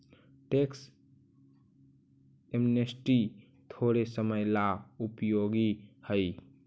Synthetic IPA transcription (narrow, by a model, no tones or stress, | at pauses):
ʈeks | emnesʈi | t̪ʰoːɾesəməjlaupjoːɡihəj